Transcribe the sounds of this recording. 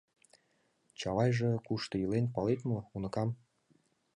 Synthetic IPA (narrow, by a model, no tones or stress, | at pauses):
t͡ɕɑlɑjʒekuʃt̪ɤjilenpɑlet̪mɤunɤ̆kɑm